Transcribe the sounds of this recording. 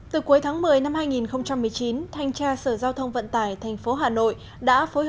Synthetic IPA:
t̪ɨ˨˩ku˨˦jt̪ʰaː˨˦ŋmɨ˨˩əjna˧mhaː˧jŋi˨˩nxə˧wŋ͡mt͡ɕa˧mːɨ˨˩əjt͡ɕi˨˦nt̪ʰa˧jŋ̟t͡ɕaː˧səː˧˩zaː˧wt̪ʰə˧wŋ͡mvə̰˧˨nt̪aː˧˩jt̪ʰɛ˨˩ŋ̟fo˨˦ɦaː˨˩no̰˧˨j | ɗa̰ː˧˥fo˨˦j

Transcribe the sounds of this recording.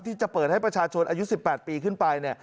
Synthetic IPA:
t̪ʰiː˥˩t͡ɕa˨˩pəɤː˨˩t̪̚ha˥˩jpɾa˧˩t͡ɕʰaː˧t͡ɕʰo˧nʔaː˧ju˦˥si˨˩pːɛː˨˩t̪̚piː˧kʰɯ˥˩npa˧jni˥˩ɐ

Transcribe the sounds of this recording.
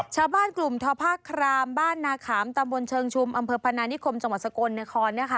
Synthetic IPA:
t͡ɕʰaː˧wbaː˥˩nklu˨˩mt̪ʰɔː˧pʰaː˥˩kʰːɾaː˧mbaː˥˩nːaː˧kʰaː˩˦mt̪a˧mbo˧nt͡ɕʰɤː˧ŋt͡ɕʰu˧mʔa˧mpʰɤː˧pʰa˧naː˧ni˦˥kʰo˧mt͡ɕa˧ŋwa˨˩t̪̚sa˧koː˧nːa˦˥kʰɔː˧nːa˦˥˩kʰa˦˥˩

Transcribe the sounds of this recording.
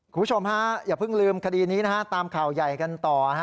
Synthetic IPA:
kʰu˨˩mʰː˦˥t͡ɕʰo˧mha˦˥jaː˨˩pʰɯ˥˩ŋlɯː˧mkʰa˧diː˧niː˦˥na˦˥kʰa˦˥t̪aː˧mkʰaː˨˩wja˨˩jka˧nt̪ɔː˨˩a˦

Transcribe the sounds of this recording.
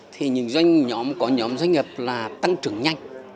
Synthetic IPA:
t̪ʰi˨˩ɲɨ̰˨˧˦ŋzwa˧jŋ̟ɲɔ˨˦mkɔ˨˦ɲɔ˨˦mzwa˧ŋ̟ŋə˨˩p̚laː˨˩t̪a˧ŋt͡ɕɨ˨˧˩əŋɲa˧jŋ̟

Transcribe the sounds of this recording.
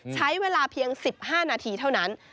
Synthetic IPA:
t͡ɕʰa˦˥jweː˧laː˧pʰi˧əŋsi˨˩p̚haː˥˩naː˧t̪ʰiː˧t̪ʰa˥˩wna˦˥n

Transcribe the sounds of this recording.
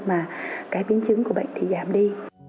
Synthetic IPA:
maː˨˩kaː˨˦jɓi˨˦ənt͡ɕɨ˨˦ŋku˧˩əɓə̰˧˨jŋ̟t̪i˨˩zaː˧˩mɗi˧

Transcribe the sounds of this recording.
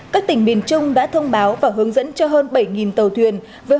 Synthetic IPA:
kaː˦˥k̚t̪ï˧˩ŋ̟ɓi˨˩ənt͡ɕʊ˧ŋ͡mɗa̰ː˧˥t̪ʰə˧wŋ͡mɓaː˨˦wvaː˨˩ɦɨ˨˦əŋzə̰˧˥nt͡ɕɔ˧ɦəː˧nɓə˧˩jŋi˨˩nt̪ə˨˩wt̪ʰwi˨˩ən | veː˨˦

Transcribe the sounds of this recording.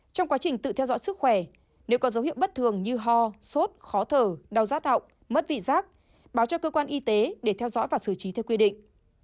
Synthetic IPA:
t͡ɕɔ˧wŋ͡mkwaː˨˦t͡ɕï˨˩ŋ̟t̪ɨ̰˧˨t̪ʰɛ˧wzɔ̰˧˥jsɨ˦˥k̚xwɛ˧˩ | ne˨˦wkɔ˨˦zə˨˦whḭ˧˨əwɓə˦˥t̚t̪ʰɨ˨˩əŋɲɨ˧ɦɔ˧so˦˥t̚xɔ˨˦t̪ʰəː˧˩ɗa˨˧˩wzaː˦˥t̚hə̰˧˨wŋ͡m | mə˦˥t̚vḭ˧˨zaː˦˥k̚ | ɓaː˨˦wt͡ɕɔ˧kəː˧kwaː˧nʔi˧t̪e˨˦ɗe˧˩t̪ʰɛ˧wzɔ̰˧˥jvaː˨˩sɨ˧˩t͡ɕi˨˦t̪ʰɛ˧wkwi˧ɗḭ˧˨ŋ̟

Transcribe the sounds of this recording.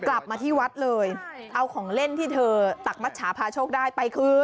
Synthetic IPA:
kla˨˩p̚maː˧t̪ʰiː˥˩wa˦˥t̪̚lɤː˧jʔa˧wkʰɔː˩˦ŋle˥˩nt̪ʰiː˥˩t̪ʰɤː˧t̪a˨˩k̚ma˦˥t̪̚t͡ɕʰaː˩˦pʰaː˧t͡ɕʰoː˥˩k̚daː˥˩jpa˧jkʰɯː˦

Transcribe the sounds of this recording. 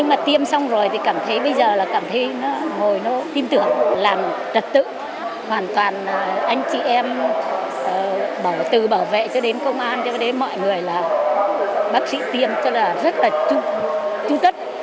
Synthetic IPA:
ɲɨ˧ŋmaː˨˩t̪i˧əmsa˧wŋ͡mzo˨˩jt̪ʰi˨˩kaː˧˩mt̪ʰə˨˦jɓə˧jzəː˨˩laː˨˩kaː˧˩mt̪ʰə˨˦jnɔ˨˦ŋo˨˩jnɔ˨˦t̪i˧mt̪ɨ˧˩əŋlaː˨˩mt͡ɕə˨˩t̚t̪ɨ̰˧˨ | hwaː˨˩nt̪waː˨˩nː˨˩ʔa˧jŋ̟t͡ɕḭ˨˩ʔɛ˧m | ʔəː˨˩ɓaː˧˩wt̪ɨ˨˩ɓaː˧˩wvḛ˧˨t͡ɕɔ˧ɗe˨˦nkə˧wŋ͡mʔaː˧nt͡ɕɔ˧ɗe˨˦nmɔ̰˧˨jŋɨ˨˩əjlaː˨˩ | ɓaː˦˥k̚sḭ˧˥t̪i˧əmt͡ɕɔ˧laː˨˩zə˦˥t̚laː˨˩t͡ɕu˧t͡ɕu˧t̪ə˦˥t̚

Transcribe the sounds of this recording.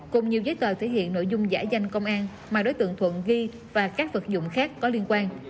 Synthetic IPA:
kʊ˨˩ŋ͡mɲi˨˩əwzəː˨˦jt̪wəː˨˩t̪ʰe˧˩hḭ˧˨ənːo̰˧˨jzʊ˧ŋ͡mza̰ː˧˥za˧jŋ̟kə˧wŋ͡mʔaː˧n | maː˨˩ɗo˨˦jt̪ɨ̰˧˨əŋt̪ʰwə̰˧˨nɣi˧ | vaː˨˩kaː˦˥k̚və˨˩t̚zʊ̰˧˨wŋ͡mxaː˦˥kːɔ˨˦li˧ənkwaː˧n

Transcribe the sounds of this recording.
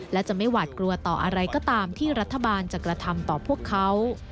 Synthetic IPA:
lɛ˦˥wt͡ɕa˨˩ma˥˩jwaː˨˩t̪̚kɾu˧ɐt̪ɔː˨˩ʔa˧ɾa˧jkɔː˥˩t̪aː˧mt̪ʰiː˥˩ɾa˦˥t̪ʰːa˧baː˧nt͡ɕa˨˩kɾa˧t̪ʰa˧mt̪ɔː˨˩pʰu˥˩əkʰːa˦˥w

